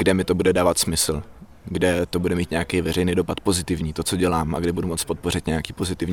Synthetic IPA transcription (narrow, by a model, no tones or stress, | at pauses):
ɡdɛmɪt̪o̞budɛdaːvat̪smɪsl̩ | ɡdɛt̪o̞budɛmiːt̪ɲɛakejvɛr̝ɛjnido̞pat̪̚po̞zɪt̪ɪvɲiːt̪o̞t͡so̞ɟɛlaːma̰ɡdɛbudumo̞t͡spo̞t̪̚po̞rɪt̪ɲɛjakiːpo̞zɪt̪ɪvɲː